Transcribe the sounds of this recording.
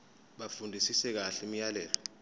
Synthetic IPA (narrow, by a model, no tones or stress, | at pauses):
ɓafundʱisisɛk̬aɬim̩jalɛːlɔ